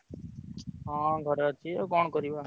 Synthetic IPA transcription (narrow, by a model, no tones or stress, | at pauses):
ɦãːɡʱəɾat͡ʃ̪ʰiːoːkoːɳkəɾiaː